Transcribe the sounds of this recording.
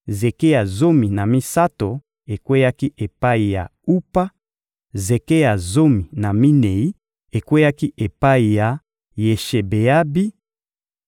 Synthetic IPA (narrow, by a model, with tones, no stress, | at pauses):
ze˨ke˦ja˨zo˦mi˨na˨mi˦sa˦to˨ | e˨kwe˦ja˦ki˦ʔe˨pa˦i˨ja̰˨u˦pa˦ | ze˨ke˦ja˨zo˦mi˨na˨mi˦ne˨i˦ | e˨kwe˦ja˦ki˦ʔe˨pa˦i˨ja˨ | je˨ʃe˨be˨a˦bi˦